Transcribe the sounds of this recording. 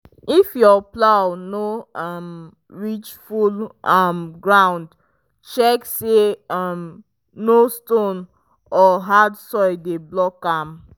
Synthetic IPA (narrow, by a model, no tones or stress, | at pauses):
ifjɔplawnoam | ɹit͡ʃfulamɡɹãʊ̃nd | t͡ʃɛkseam | nostõn | ɔɦadsɔɪdeblɔkãm